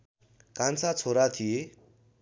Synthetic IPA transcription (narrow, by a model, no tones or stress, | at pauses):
kant͡sat͡sʰoɾat̪ʰije